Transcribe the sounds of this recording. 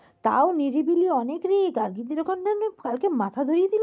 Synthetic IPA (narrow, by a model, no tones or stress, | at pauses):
t̪a̰oniɾibiliɔnekɾiɡaɾɡit̪iɾɔkonnankalkemat̪ʰad̪ʱoɾijed̪il